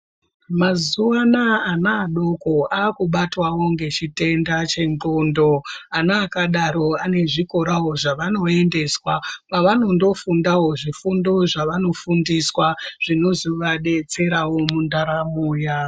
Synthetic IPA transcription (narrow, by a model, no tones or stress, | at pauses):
mazuwanaːnaːɗo̞ko̞aːkuɓatwawo̞ŋɡe̞t͡ʃite̞ndat͡ʃe̞ŋŋ͡ǃondo̞anaːkaɗaɾo̞ane̞ʐiko̞ɾawo̞ʐaʋano̞e̞nde̞swapaʋano̞ndo̞fundawo̞ʐifundo̞ʐaʋano̞fundiswaʐ̥ino̞ziʋaɗe̞t͡se̞ɾawo̞mundaɾamuːja